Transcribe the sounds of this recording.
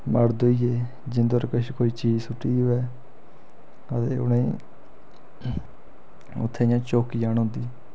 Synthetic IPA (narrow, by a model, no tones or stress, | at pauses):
məɽd̪oːieː | d͡ʒɪnd̪oːɾkəʃikoːiːt͡ʃiːzsʊʈːiːoɛː | ət̪ḛːʊ̰nẽ | ʊ̰t̪ʰːẽɪjãːt͡ʃoːkiːjaːnɦʊ̃nd̪iː